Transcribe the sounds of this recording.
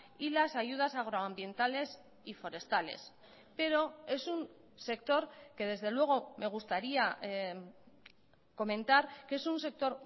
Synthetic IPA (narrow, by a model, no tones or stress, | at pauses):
ilasaʝuð̞asaɣ̞ɾoambje̞nt̪ale̞s | ifo̞ɾe̞st̪ale̞̰s | pe̞ɾo̞e̞sun | se̞k̚t̪o̞ɾke̞ð̞e̞zð̞e̞lwe̞ɣ̞o̞me̞ɣ̞ust̪aɾia | ko̞mẽ̞nt̪aɾkee̞sunse̞k̚t̪o̞ɾ